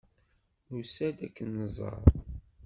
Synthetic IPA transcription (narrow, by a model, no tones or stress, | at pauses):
nusæd̪ækːənːəzˤɑ̰ɾˤ